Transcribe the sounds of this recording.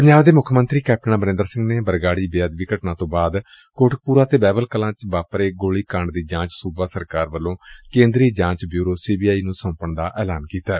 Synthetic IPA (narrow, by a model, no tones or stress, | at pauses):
pəɲd͡ʒaːbd̪eːmʊkʰmənt̪ɾiːkɛːp̚ʰʈənãːbəɾẽnd̪əɾsɪ̃ŋɡneːbəɾɡaːɽiːbeəd̪ʋɪkəʈnãːt̪õːbaːd̪ | koːʈʰək̚puːɾaːt̪eːbɛːbəlkəlãːt͡ʃbaːpɾeːɡoːɭiːkaɳɖd̪iːd͡ʒãːt͡ʃsuːbaːsəɾkaːɾʋəlːõːkẽːnd̪ɾiːd͡ʒãːt͡ʃbjuːɾoːsiːbiːaːiːnũːsə̃ːmpəɳd̪aːʔɛːlaːnkiːt̪aː